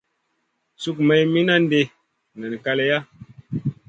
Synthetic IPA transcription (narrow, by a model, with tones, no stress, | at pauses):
su˦k̚mə˨jmi˦na˦n˦de˦ | nə˨n˨ka˦le˨ja˦